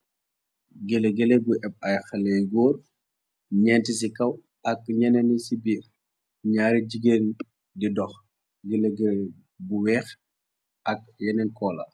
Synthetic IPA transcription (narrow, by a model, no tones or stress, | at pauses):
ɡeleɡɛlɛbuʔɛp̚ɐjxɐlɛjɡɔːr | ɲɛntisikɐw | ɐkɲɛnɛnisibi | ɲaːɾiɟiɡeːn | didɔx | ɡeleɡɛl | buwɛːx | ʔɐk̚jɛnɛnkɔːlɐ̰